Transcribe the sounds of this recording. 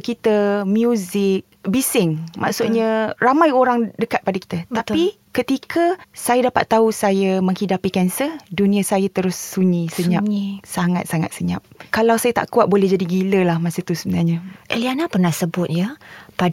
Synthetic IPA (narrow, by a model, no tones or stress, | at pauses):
kit̪amjuzɪk̚bisɪŋmʔa̰ʔsʊt̪̚ɲaramajoɾaŋdəkat̪̚padaki̥t̪at̪at̪pi | kət̪ikʰasajadapa̰t̪ːausajaməŋhidapikɛnsədunĩasajat̪əɾʊsːuɲĩsəɲasaŋat̪̚saŋa̰t̪̚səɲa̰p̚kalawsajat̪a̰ʔkuat̪̚bolɛhd͡ʒadiɡiləlahmasət̪usəbənarɲaʔəlianapərnahsəbʊt̪̚jəpa